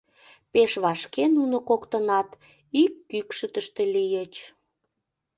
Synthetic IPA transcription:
peʃβɑʃkenunokokt̪ənɑt̪ | ikːykʃət̪əʃt̪elijət͡ɕ

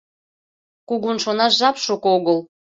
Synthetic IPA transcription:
kuɣunʃonɑʃʒɑpʃokoɣɤlˠ

